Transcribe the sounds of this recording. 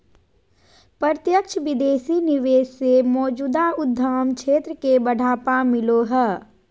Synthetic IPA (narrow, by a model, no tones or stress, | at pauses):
pəɾt̪jəkt͡ʃʰʋɪd̪eːsinɪʋeːʃsemɔːd͡ʒuːd̪aʊd̪ʱːaːmkʃʰeːt̪ɾəkebəɖʱaːpamɪloɦɛː